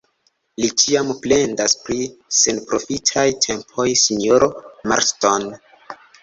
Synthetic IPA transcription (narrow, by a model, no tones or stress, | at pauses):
lit͡ʃiample̞ndaspɾise̞npɾo̞fitʰajtʰe̞mpʰo̞jsinoɾoma̰ɾston